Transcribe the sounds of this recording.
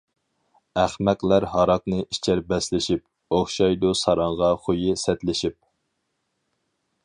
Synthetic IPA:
æχmæqlæɾɦɑɾɑqnɨʔit͡ʃʰæɾbɛslɪʃip̚ | oχʃɑjd̪usɑɾɑɴʁɑχojɪsɛt̪lɪʃip̚

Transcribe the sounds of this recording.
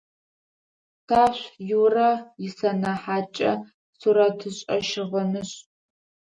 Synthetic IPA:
tʰaːɕʷjurɐjɪsɐnɐħaːt͡ʃʼɐ̰ | suɾɐtʰɨɕʼɐʃɪʁɐnɨɕʼ

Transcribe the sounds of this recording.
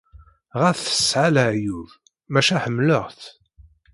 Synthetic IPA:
ʁæθθə̥sʕaləʕjuð | mæʃæħəmːləʁθ

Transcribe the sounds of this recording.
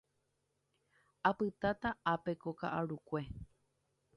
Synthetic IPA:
apɨt̪at̪aapekoka̰ʔaɾukʷe̞

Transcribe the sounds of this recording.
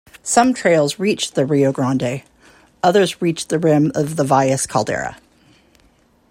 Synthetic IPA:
sʌ̃mtʰɹ̥eɪlˠzɹit͡ʃðɨɹioʊɡɹɑ̃ndeɪ | ʌðə˞zɹit͡ʃðɨɹɪ̃mʌvðəvaɪɨskʰɑ̰lˠdɛ̰ɹə̰

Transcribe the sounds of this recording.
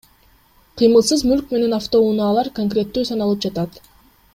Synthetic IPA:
qʰɨjmɯlˠsɯzmylk̚me̞ne̞naft̪o̞unɑːlˠɑɾkoŋkrʲe̞t̪ːyːsɑnɑlˠɯpd͡ʒɑt̪ɑt̪

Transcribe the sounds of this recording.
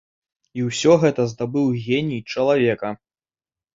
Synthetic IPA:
iwsʲɔɣɛt̪ɐzd̪abɨwɣʲenʲit͡ʂɐlˠavʲɛkɐ

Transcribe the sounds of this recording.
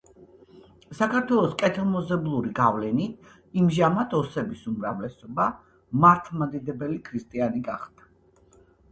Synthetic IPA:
sakaɾt̪ʰwɛlˠɔskʼɛt̪ʰilˠmɔzɛblˠuɾiɡavlɛnit̪ʰ | imʒamat̪ʰɔsɛbisumɾavlɛsɔba | maɾt̪ʰmad̪id̪ɛbɛlikʰɾist̪ʼianiɡaχd̪̥ḁ

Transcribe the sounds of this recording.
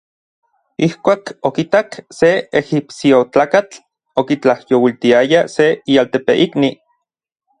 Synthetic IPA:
ihkʷaːkokit̪akseexipsiot͡ɬaːkat͡ɬ | okit͡ɬahjowilt̪iajaseialt̪epḛʔikni

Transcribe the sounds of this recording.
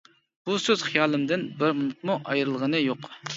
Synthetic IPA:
b̥usøz̥χijɑːlˠɨmd̪ɪnbɪɾmunut̪̚muʔɑjɾɨlˠʁənɨjoq

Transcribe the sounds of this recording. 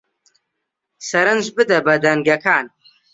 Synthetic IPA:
sɐɾɨnd͡ʒbɨd̪ɐbɐd̪ɐŋɡɐkʰaːn

